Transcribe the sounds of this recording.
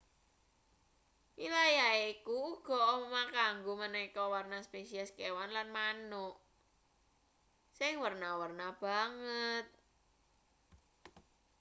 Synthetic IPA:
wilajaeiikuːɡ̥ɔʔɔɔmakaŋɡomənekɔwarnaspesiaskewanlanmanuʔ | sɪŋwərnawərnab̥a̤ŋət̪̚

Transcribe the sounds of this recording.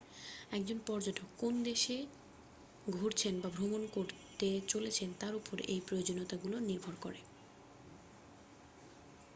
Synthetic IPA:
ɛk̚d͡ʑonpɔɾd͡ʑoʈʰokːond̪eʃe | ɡʱoɾt͡ɕʰenbabʱɾomonkoɾt̪et͡ɕolet͡ɕʰent̪aɾupoɾḛjpɾojod͡ʑonot̪aɡuloniɾbʱoɾko̰ɾe

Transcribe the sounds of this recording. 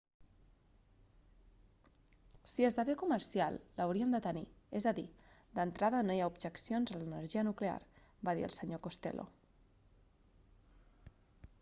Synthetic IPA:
siezðəβekuməɾsia̰lˠːəwɾiəmd̪ət̪əniezəðid̪ənt̪ɾaðənojaubʒəksionzələnəɾʒiənuklea̰ɾ | baðḭə̰lˠsəɲokost̪ḛlʔo̰

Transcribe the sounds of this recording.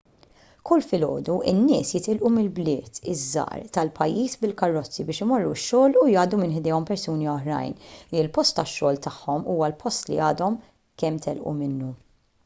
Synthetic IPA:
kʰʊlːfɪlɔ̰ːd̪uʔɪnːɪːsjɪt̪ɪlʔumɪlblɪːt̪ɪzːɐ̰ːɾt̪ɐlpɐjːiːsbɪlkɐrːɔt͡sːibɪːʃɪmɔrːuʃːɔːlujɐːd̪umɪnħd̪ɛːɔmpɛɾsuːniɔħɾɐ̰jnlpɔst̪ːɐʃːɔːlt̪ɐħːɔmuːwɐlpʰɔst̪lḭɐːd̪ɔm | kɛmːt̪ɛlʔṵmɪnːu

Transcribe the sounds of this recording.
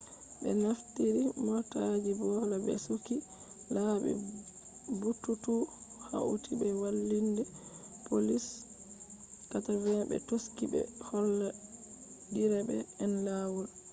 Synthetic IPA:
bɛ̰naftiɾimɔtad͡ʒibɔlabɛ̰suki | labɛ̰ | butːutuha̰ʔutibɛwalːindɛpolis | katavɛbɛ̰toskibɛ̰hɔlːa | diɾɛbɛ̰ːnlawul

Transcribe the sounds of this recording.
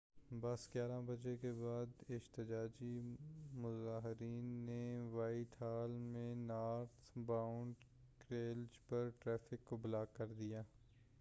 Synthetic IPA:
bɐsɡjaːɾãbɐd͡ʒekebaːd̪ɪd͡ʒt̪ɪd͡ʒaːd͡ʒimʊzaːɦɪɾiːnːeʋaːɪʈʰaːlmẽnaːɾt̪ʰbaːʊɳɖ | kɾeːld͡ʒpɐɾʈɾɛːfʰɪkːoblaːkːɐɾd̪ijaː

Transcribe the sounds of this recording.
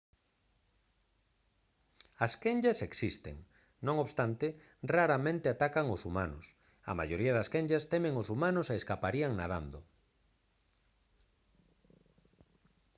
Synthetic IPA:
ɐskeɲʎɐseksist̪ḛŋ | nõŋoβst̪ant̪ɪ | raɾamẽnt̪ɪat̪akaŋosuma̰nʊ̰s | ɐ̰ma̰joɾiaðɐskeɲʎɐst̪ɛmẽŋosumãnʊseeskapaɾiaŋna̰ða̰nd̪o

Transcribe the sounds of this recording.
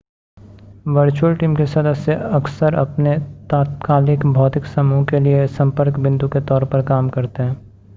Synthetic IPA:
ʋɐɾt͡ʃuəlʈiːmkesɐd̪əsːeɐksəɾɐ̰pnet̪aːt̪kaːlɪkbʱɔːt̪ɪksɐmuːkeliesɐ̃mpəɾkbɪ̃nd̪uket̪ɔːɾpɐɾkaːmkɐɾt̪eɦɛ̃ː

